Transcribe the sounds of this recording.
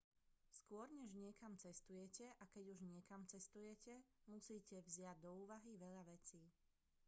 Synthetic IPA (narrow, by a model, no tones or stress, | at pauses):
skʊɔɾɲɛʒɲɪɛkamt͡sɛst̪ujɛcɛʔakɛɟuʒɲɪɛkamt͡sɛst̪ujɛcɛmusiːcɛʋzɪaɟ̚d̪ɔuːʋaɦiʋɛʎaʋɛt͡siː